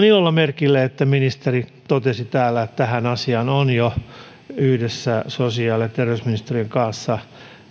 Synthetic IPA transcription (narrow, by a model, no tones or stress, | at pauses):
niolːɑmerkilːeet̪ːæminist̪erit̪ot̪esit̪æːlːæet̪t̪æhænɑsiɑnonjo | yhdesːæsosiɑːlet̪t̪erʋeysminist̪erieŋkɑnsːɑ